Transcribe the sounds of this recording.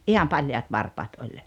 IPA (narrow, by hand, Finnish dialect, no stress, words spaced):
ʔihɑm pɑljɑːt ʋɑrpɑːt olʲ